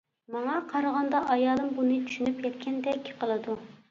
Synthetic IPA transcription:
mɑŋɑqʰɑɾɑʁɑnd̪ɑʔɑjɑːlˠɨmbunɨt͡ʃʰy̥ʃynypjʲɛt̪̚kʲʰɛnd̪ɛkʲːɪ̥qʰəlˠɨd̪u

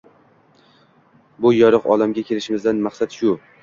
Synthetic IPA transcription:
bʊjɒɾɨqɒlamɡʲakʲʰe̞lɪʃɪmɪzd̪anmaχsat̪ʃʊ

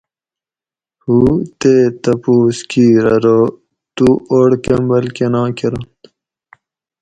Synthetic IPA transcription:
huːt̪eːt̪ɐpuːskiːɾɐɾo | t̪uoːɽkembɐlkenãːkeɾont̪

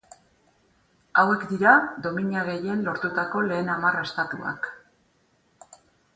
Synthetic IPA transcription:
awe̞kd̪iɾad̪o̞miɲiaɣe̞je̞nlo̞ɾt̪ut̪ako̞le̞ːnamare̞st̪at̪ua̰k

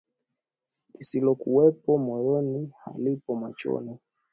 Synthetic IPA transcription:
isilɔkuwɛpɔmɔjɔniha̰lipɔmat͡ʃɔ̰nɔ

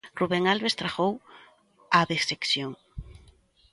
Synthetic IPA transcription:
ruβeŋalβest̪ɾaxow | aðesekθjoŋ

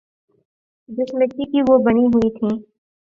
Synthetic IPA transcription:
d͡ʒɪsmẽkikiʋobɐñiɦʊit̪ʰĩː

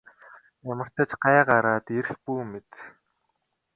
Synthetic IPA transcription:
jamə̆r̥t̪ə̆t͡ɕɢaːɢaɾaːt̪eɾxpuːmet̪

